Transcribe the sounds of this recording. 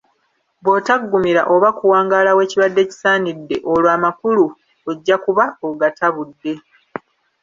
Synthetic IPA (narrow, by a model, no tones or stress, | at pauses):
bwoːtaɡːumiɾa̰ʔo̞βakuwaːŋɡaːlawe̞ːciβadːe̞ːci̥saːnidːe̞ʔo̞lwaːmakulu | eɟːakuβaoɡatʰaβudːe̞